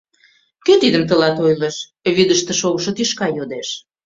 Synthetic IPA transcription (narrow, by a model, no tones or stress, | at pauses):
køt̪id̪əmt̪əlɑt̪ojleʃ | βid̪əʃt̪ĕʃoɣəʃɤt̪yʃkɑjod̪eʃ